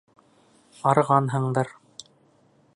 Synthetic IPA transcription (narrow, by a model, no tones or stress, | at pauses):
ɑɾʁɑnɦɤ̆ɴd̪ɤɾ